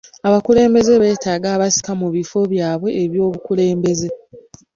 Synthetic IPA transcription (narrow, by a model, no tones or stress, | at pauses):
aβakule̞ːmbe̞ze̞βe̞ːtaːɡaːβasi̥kamuβifo̞βjaːβwe̞ːβjo̞ːβukule̞ːmbe̞ze̞